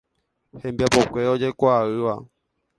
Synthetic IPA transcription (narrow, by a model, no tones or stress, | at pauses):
hẽmbiapokʷeod͡ʒekʷaɨʋa̰